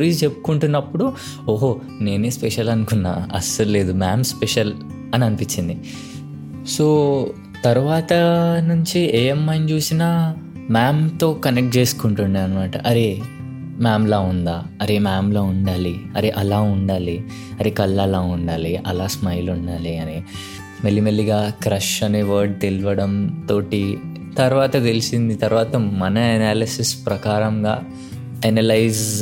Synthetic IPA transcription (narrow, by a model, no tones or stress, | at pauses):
ɾiːst͡ʃepːu̥kuɳʈunːɐpːuɽu | oːɦoː | ne̞ːneːspɛʃɐlɐnukunːa̰ːɐ̰sɐɾle̞ːd̪umaːmspeʃɐl | ɐniɐnipiɲt͡ʃːind̪i | so̞ː | t̪ɐɾuʋaːt̪ɐnuɲt͡ʃieːemːɐjnt͡ʃuːsinaː | maːmt̪o̞ːkɐnek̚ʈ̚t͡ʃe̞ːsu̥kuɳʈunɖ̪iɐnimaːʈɐ̰ʔɐɾe̞ː | maːmlaːund̪aːɐɾemaːmloːuɳɖaːliɐɾeʔɐlaːuɳɖaːli | ɐɾekɐlːɐlaːuɳɖaːliʔɐ̰laːsmɐjluɳɖaːliɐni | mɐlːimɐlːiɡaːkɾɐʂɐneʋɐːɾɖ̚t̪eluʋɐɽɐmt̪o̞ːʈi | t̪ɐɾuʋaːt̪ɐt̪e̞lisind̪it̪ɐɾuʋaːt̪ɐmɐnɐɐnaːlɐsispɾɐkaːɾɐŋɡaː | ɐnɐlɐjz